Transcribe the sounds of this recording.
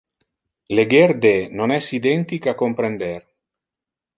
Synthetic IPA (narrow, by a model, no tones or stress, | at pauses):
leɡeɾd̪enonɛsid̪ɛnt̪ikakompɾend̪eɾ